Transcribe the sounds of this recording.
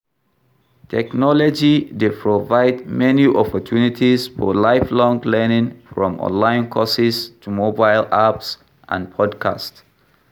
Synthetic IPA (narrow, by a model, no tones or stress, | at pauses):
tʰɛknɔlɔd͡ʒided̚pʰɹovaɪdmɛniʔɔpʰɔtʰunitʰisfɔ̰laɪflɔ̃ŋɡlɛnɪ̃ŋfɹɔ̃mɔ̰̃nlãɪ̃nkʰɔsɪstʰumobaɪlaps | ʔã̰npʰɔdkʰa̰st